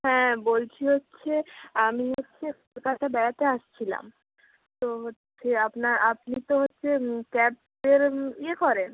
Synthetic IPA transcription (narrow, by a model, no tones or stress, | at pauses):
ɦɛ̃bolt͡ɕʰiɦotːɕʰeamiɦotːɕʰek̚olkat̪ʰabɛjat̪eaʃt͡ɕʰila̰m | t̪oɦotːɕʰeapnaɾap̚nit̪oɦotːɕʰekɛp̚ | d̪eɾiekɔɾen